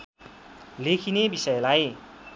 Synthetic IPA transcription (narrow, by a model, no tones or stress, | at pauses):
lekʰinebisʌjlaj